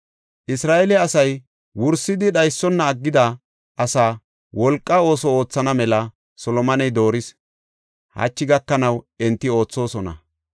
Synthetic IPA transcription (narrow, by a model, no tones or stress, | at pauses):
ʔɪsɾaːʔɛlɛɐsɐj | wʊɾsɪd̪ɪɗɐjsːɔnːɐːɡːɪd̪ɐ | ʔɐsaː | wɔlkʼːɐo̞ːsɔo̞ːt͡sːɐnɐmɛlɐ | sɔlɔmɐnɛjd̪o̞ːɾɪs | hɐ̰t͡ʃːɪɡɐkːɐnɐw | ɛnt̪ːɪo̞ːt͡sːo̞ːsɔnɐ̰